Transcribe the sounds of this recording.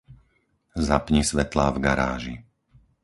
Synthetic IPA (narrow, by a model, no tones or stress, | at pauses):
zapɲɛsʋɛt̪laːvɡaɾaːʒi